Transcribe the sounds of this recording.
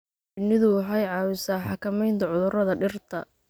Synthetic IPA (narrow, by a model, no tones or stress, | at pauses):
ɪnɪðʊwɑħɑjʕɑːwɪsaːħɑkʰɐmɛjnt̪ʰɐʕʊðʊrɐðɐɖɪrt̪ʰɐ